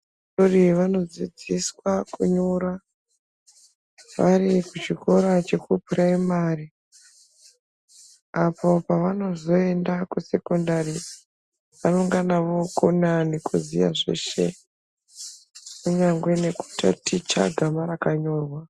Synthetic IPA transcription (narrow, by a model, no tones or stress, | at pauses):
oriʋano̞d͡zid͡ziswakuɲoɾa | ʋarikut͡ʃiko̞ɾat͡ʃe̞kupraimaːri | apo̞paʋano̞zo̞e̞ndakuse̞kondari | ʋano̞ŋɡanaʋo̞konanikuzḭja̰ʐe̞̰ʃe̞̰ | kuɲaŋɡwe̞ne̞ku̥ta̰tʰit͡ʃa̰ɡʱamaɾakaɲo̞ːrwa